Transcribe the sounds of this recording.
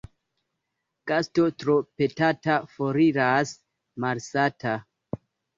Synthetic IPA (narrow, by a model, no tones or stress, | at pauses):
kastotɾope̞tatafoɾiɾas | maɾsata